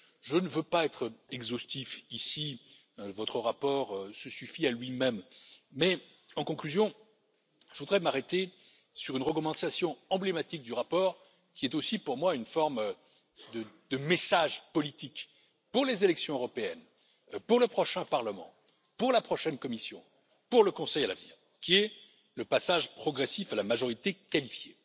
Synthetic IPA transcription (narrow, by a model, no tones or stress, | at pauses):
ʒənəvøpaɛt̪χɛɡzost̪ifisi | vɔt̪χəʁapɔʁsəsyfialɥimɛmːɛ | ɑ̃kɔ̃klyzjɔ̃ | ʒəvud̪ʁɛmaʁet̪e | syʁynʁəkɔmɑ̃t̪asjɔ̃ɑ̃blemat̪ik̚d̪yʁapɔːʁ | kʲiɛt̪osipuʁmwaynfɔʁm | d̪əd̪əmesaʒpɔlit̪ik | puʁlezelɛksjɔ̃øʁɔpeɛn | puʁləpχɔʃɛ̃paʁləmɑ̰̃ | puʁlapχɔʃɛnkɔmisjɔ̰̃ | puʁləkɔ̃sɛjala̰vnḭːʁ | kʲiɛ | ləpasaʒpχɔɡʁɛsifalamaʒɔʁit̪ekalifje